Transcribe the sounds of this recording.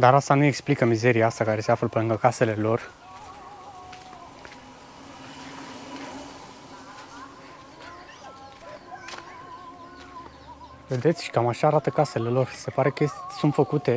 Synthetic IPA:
d̪aɾast̪anue̞ksplikəmize̞ɾijaast̪akaɾe̞seafləpelɨŋɡəkase̞le̞lo̞r | ve̞d̪e̞t̪sʲʃi̥kamaʃaːɾat̪əkase̞le̞lo̞rse̞paɾe̞kəsunt̪fəkut̪e̞

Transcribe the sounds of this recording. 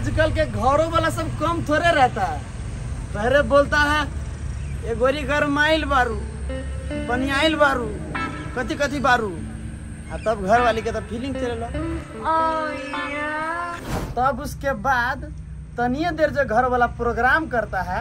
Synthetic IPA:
d͡ʒkəlkeɡʱəɾobalasəbkəmt̪ʰoɾeɾəɦt̪aɛ | p̪əɦɾebolt̪aɦɛ | eɡoɾiɡəɾmailbaɾu | pənijailbaɾu | kət̪ikət̪ibaɾu | at̪əbɡʱəɾbaliket̪əpʰiliŋɡt͡ʃəlelo | t̪əbuskebad̪ | t̪ənijed̪eɾd͡ʒeɡʱəɾobalapɾoɡɾamkəɾt̪aɦɛ

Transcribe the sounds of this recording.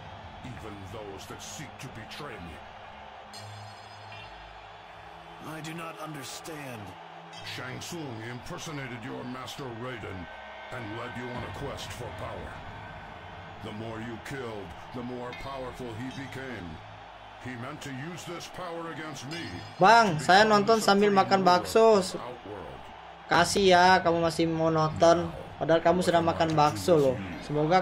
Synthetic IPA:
ivɨ̃nðoʊzðɨtsik̚tʰɨbɨtʰɹ̥eɪ̃mjʉ̰ | aɪdɨnəɾʌ̃ndə˞stæ̃nd | ʃæ̃ŋsũŋɪ̃mpʰɜ˞sɨneɪɾɨdə˞mæstə˞ɹeɪɾɨ̃n | ɨ̃nlɛdɨə̃nɨkʰw̥ɛstfə˞pʰaʊə̰˞ | ðəmɔɹjɨkʰɪlˠd̪̚ | ðəmɔɹpʰaʊə˞fəl̩ˠibɨkʰẽɪ̃m | imɛ̃ntʰɨjʉzðɪspʰaʊə˞ɨɡɛ̃nst̚mibaŋsajanɔnt̪̬ɔnsambɪlmakanbaksosəa̰ʊt̚wə̰˞lˠd̥ | kasihjakamumasɪhmɔnɔt̪ɔnpadaɦalkamusədaŋmakanbaksolɔsəmoɡa

